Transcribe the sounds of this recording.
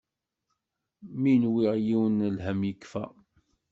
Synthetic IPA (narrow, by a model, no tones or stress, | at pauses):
minwiʁjiwənlɦəmjəkːfæ̰